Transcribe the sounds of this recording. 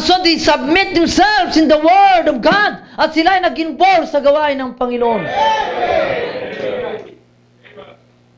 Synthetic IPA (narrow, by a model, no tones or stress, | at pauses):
sod̪ejsɐb̚mɪt̪̚d̪ɛmsɛlvsɪ̃nd̪ɐwɜɹdɔvɡad̪̚ʔɐt̪sɪlaɐjnɐɡɪnbolsɐɡɐwaʔɪnːɐŋpɐŋɪnoʔon